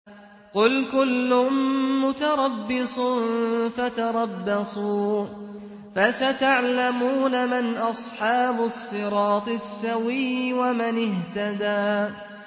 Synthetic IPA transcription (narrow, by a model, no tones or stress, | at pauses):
qʊlkʊlːʊʊmːʊt̪ɑɾˤɑbːɪsˤʊnfat̪ɑɾˤɑbːɑsˤuː | fasat̪aʕlamuːnamɪnʔɑsˤħɑːbʊsˤːɨɾˤɑːt̪ˤɨsːawiːwamanɪht̪ad̪aː